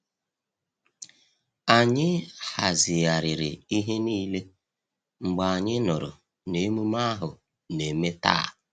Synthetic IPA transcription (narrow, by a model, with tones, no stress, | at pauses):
a˨ɲɪ˦ha˨zɪ˨ja˨ɾɪ˨ɾɪ˨i˦ɦe˦niː˦le˦ | ŋ͡m̩˨ɡ͡ba˨a˨ɲɪ˦nʊ˨ɾʊ̰˨ | ne˨˦mu˦ma˦ɦʊ˨ | ne˨me˦ta̰ː˦˨